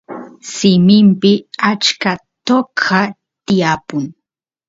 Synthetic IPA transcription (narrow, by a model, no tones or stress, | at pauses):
sɪmɪmpɪat͡ʃkat̪okʰa | t̪ɪjapʊŋ